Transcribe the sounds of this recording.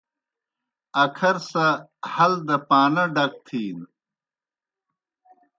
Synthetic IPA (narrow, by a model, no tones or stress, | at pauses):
ɐkʰɐɾsɐhɐld̪ɐpaːnɐɖɐk̚t̪ʰiːn